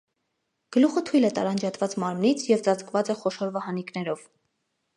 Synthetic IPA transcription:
ɡ̥əluχət̪ʰujlɛt̪ɑɾɑnd͡ʒɑt̪vɑt͡smɑɾmnit͡sʰjɛvt͡sɑt͡skvɑt͡sɛχɔʃɔɾvɑhɑniknɛɾɔv̥

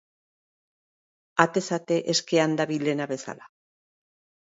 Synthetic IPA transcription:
at̪e̞sat̪e̞ʔeske̞and̪aβilenaβe̞sa̰la

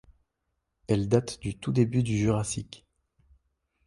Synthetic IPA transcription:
ɛld̪at̪d̪yt̪ud̪ebyd̪yʒyʁasikʲ

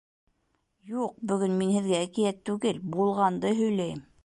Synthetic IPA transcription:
juq̚bɵ̆ɡɵnminhɘ̆ðɡæːkijæt̪ːʉɡɘlbulˠʁɑnd̪ɤɦɵ̆jlæjm

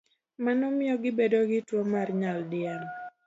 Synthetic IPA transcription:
manɔmɪɔɡɪbedoɡɪtwomarɲaldɪɛn

